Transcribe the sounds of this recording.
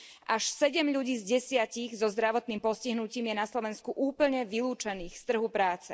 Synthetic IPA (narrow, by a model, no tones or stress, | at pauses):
ʔaʃsɛɟɛmʎuɟiːzɟɛsɪaciɣzɔzd̪ɾaʋɔt̪niːmpɔsciɦnuciːmjɛnaslɔʋɛnskuʔuːpl̩ɲɛʋiluːt͡ʃɛniːxst̪r̩ɦupɾaːt͡sɛ